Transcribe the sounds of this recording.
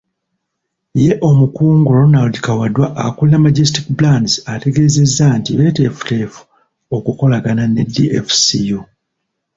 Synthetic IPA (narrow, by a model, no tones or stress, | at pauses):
je̞ʔo̞mukuːŋɡoɾo̞naldikawadwaʔːkullamaɟestikblandzate̞ɡe̞ːze̞zːantiwete̞fu̥teːfu̥ | o̞kuko̞laɡananediefsiju